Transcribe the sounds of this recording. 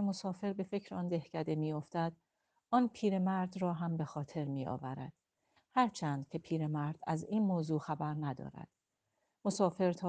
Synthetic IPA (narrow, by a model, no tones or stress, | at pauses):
emo̞sɒːfe̞ɾbe̞fe̞cʰɾeɒːnd̪e̞hcʰæd̪e̞miːjo̞ft̪æd̪ | ɒːnpʰiːɾe̞mæɾd̪rɒːɦæmbe̞xɒːt̪ʰe̞ɾmiːɒ̰ːvæɾæ̰d̪̥ | hæɾt͡ʃʰæːnd̪̥cʰe̞pʰiːɾe̞mæɾd̪æ̰ziːnmoːzuːxæbæɾnæd̪ɒ̰ːɾæ̰d̪̥ | mosɒːfe̞ɾt̪ʰɒː